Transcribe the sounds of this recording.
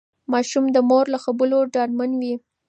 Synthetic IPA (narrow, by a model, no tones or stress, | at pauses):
mɑʃumd̪əmoɾlaxabəloɖɑɾmanwi